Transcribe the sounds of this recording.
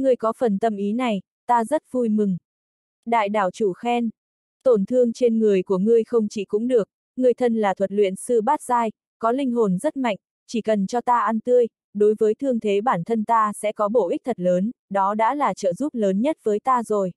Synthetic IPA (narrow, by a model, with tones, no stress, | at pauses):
ŋɨ˧əjkɔ˨˦fə˨˩nt̪ə˧mʔi˨˦na˨˩j | t̪aː˧zə˦˥t̚vu˧jmɨ˨˩ŋ | ɗa̰ː˧˨jɗaː˧˩wt͡ɕu˧˩xɛ˧n | t̪o˧˩nt̪ʰɨ˧əŋt͡ɕe˧nŋɨ˨˩əjku˧˩əŋɨ˧əjxə˧wŋ͡mt͡ɕḭ˧˩kʊ̰˧˥ŋ͡mɗɨ˨˩ək̚ | ŋɨ˧˩əjt̪ʰə˧nlaː˨˩t̪ʰwə˨˩t̚lwḭ˧˨ənsɨ˧ɓaː˦˥t̚zaː˧j | kɔ˨˦lï˧ŋ̟ɦo˨˩nzə˦˥t̚ma̰˧˨jŋ̟ | t͡ɕi˧˩kə˨˩nt͡ɕɔ˧t̪aː˧ʔa˧nt̪ɨ˧əj | ɗo˨˦jvəː˨˦jt̪ʰɨ˧əŋt̪ʰe˨˦ɓaː˧˩nt̪ʰə˧nt̪aː˧sɛ̰˧˥kɔ˨˦ɓo˧˩ʔi˦˥k̟̚t̪ʰə˨˩t̚ləː˨˦nɗɔ˨˦ɗa̰ː˧˥laː˨˩t͡ɕə̰ː˧˨zu˦˥p̚ləː˨˦nɲə˦˥t̚vəː˨˦jt̪aː˧zo˨˩j